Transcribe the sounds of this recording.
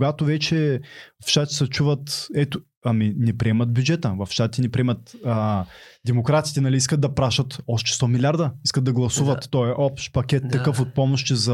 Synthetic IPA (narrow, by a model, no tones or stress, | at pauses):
ɡat̪ovɛt͡ʃɛvɐfʃt̪at̪ʲi̥sɐt͡ʃuvət̪ɛt̪o | ɐminɛpɾiɛmɐd̪̚bʲjud͡ʒɛt̪əvɐfʃat̪inɛpɾiɛmɐt̪ː | d̪ɛmokɾat̪i̥t̪ɛnɐliiskət̪̚d̪ɐpɾaʃɐt̪ɔʃt̪ɛ̥st̪ɔmilʲaɾd̪ɐiskət̪̚d̪ɐɡlˠɐsuvɐt̪ːɔɛʔɔpʃpɐkʲɛt̪ːɐkɤfot̪̚pɔmoʃt̪izɐ